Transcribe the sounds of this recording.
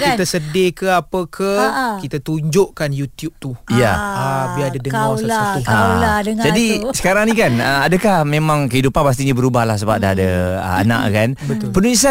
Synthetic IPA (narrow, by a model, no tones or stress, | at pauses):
kiasədekəapəkʰəkit̪at̪uɲd͡ʒʊʔkanjut̪jup̚t̪ujaabiadədəŋawsaatuaadəŋd͡ʒadisə̥kaɾaŋnikanəadəkahmemãŋkəɦidupanpas̬t̪iɲabəɾubahlahs̬əba̰p̚daadəə̰a̰na̰ʔkanb̪pənulis̬a